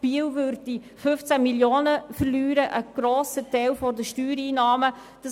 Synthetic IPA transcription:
b̥iːəwvʏɾdi | fɵft͡sæmiljoːnəfəɾlyːɾəʔəɡ̥ɾoːsətɛɪlfɔdəʃtyːɾiːnɑːmə | d̥ɑ

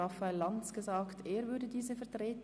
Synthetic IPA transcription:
afaɪlːant͡sɡ̥əzaːkteːvʏɐdədiːzəfɛɐtʁeːt

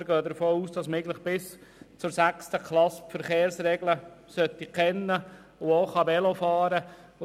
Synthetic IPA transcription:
ɾɡøːd̪əɾfoːuːsd̥ɑsmɪɡlɪχb̥ɪst͡sʊɾsækstəkʰlɑsfəɾχeːɾsɾɛɡləsœt̪ːikʰɛnːə | ʊoχɑbɛlofɑːɾə

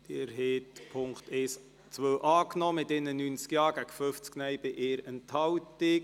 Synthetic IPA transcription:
d̥ɪɛɾɦeːtpʰʊŋktɛːs | t͡sʋøːʔɑːknɔmɪtɪnənynt͡skjɑːɡ̥æɡ̥əføft͡sknɛjbɪʔɪːɾɛnthɑwtɪ

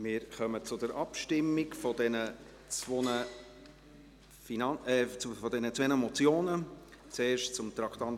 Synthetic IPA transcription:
mɪɾχœmət͡sʊdəɾʔɑpʃtɪmːikfɔdɛnə | t͡svonə | finɑnɛfɔdɛnət͡svɛnəmɔt͡sjoːnə | t͡seːɾʃtt͡sʊmt̪ɾɑkʰt̪ɑnt

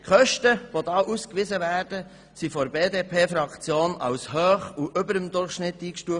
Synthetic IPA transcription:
χœʃtəʋodɑːʔuskʋizəvæːɾdə | sifɔɾbeːdeːpʰeːfɾɑkt͡sjoːnɑ̰wshøːχuʔʏbəɾəmd̪ʊrχʃnɪtːiːkʃtuəf

